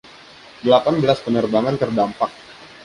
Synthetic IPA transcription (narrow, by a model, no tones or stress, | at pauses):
dəlapanbəlaspənərbaŋant̪ərdampak̚